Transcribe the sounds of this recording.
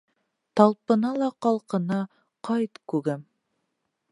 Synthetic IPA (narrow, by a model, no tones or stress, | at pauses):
t̪ɑlˠpɤ̆nɑlˠɑqɑlˠqɤ̆nɑ | qɑjt̪kʉɡæm